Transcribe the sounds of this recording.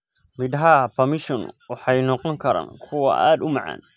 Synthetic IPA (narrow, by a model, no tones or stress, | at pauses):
mɪd̪ɦapʰɐmɪʃɔnwɑħɑjnɔqɔŋkʰɐɾa̰ːnkʰʊwɐ̰ʔa̰ːd̪ʊmɑʕɑ̰ːn